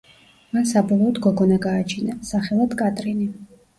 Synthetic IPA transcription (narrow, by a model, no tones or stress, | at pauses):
mansabɔlˠɔːd̪ɡɔɡɔnaɡaːt͡ʃʰinasaχɛlˠad̪kʼat̪ʼɾini